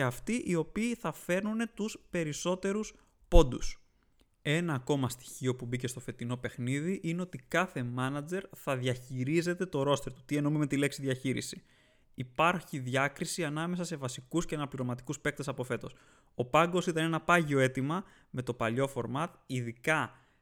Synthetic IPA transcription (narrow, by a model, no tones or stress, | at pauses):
eɐft̪iʔio̞piːθɐfe̞ɾnune̞t̪uspe̞ɾiso̞t̪e̞ɾus | po̞nd̪us | e̞nɐːko̞mɐst̪i̥çio̞pubice̞st̪o̞fe̞t̪ino̞pe̞xniðiʔine̞o̞t̪ikɐθe̞mɐnɐd͡ze̞ɾθɐðʝɐçiɾize̞t̪e̞t̪o̞ɾo̞st̪e̞ɾt̪u̥t̪ie̞nomimet̪ile̞ksiðʝɐçiɾḭsi̥ | ipɐɾçiðʝɐkɾisiɐnɐme̞sɐse̞vɐsikusceɐnɐpliɾo̞mɐt̪ikuspe̞k̚t̪esɐpo̞fe̞t̪o̞s | o̞pɐŋɡo̞sit̪ɐne̞nɐpɐʝio̞e̞t̪imɐ | me̞t̪o̞pɐʎo̞fo̞ɾmɐt̪iðikɐ